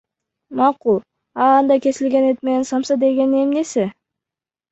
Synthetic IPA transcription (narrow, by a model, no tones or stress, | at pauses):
mɑqulˠ | ɑɑnd̪ɑjkʲʰe̞sɪlɡʲe̞net̪̚me̞ne̞nsɑmsɑd̪e̞ɡʲe̞nie̞mne̞sɪ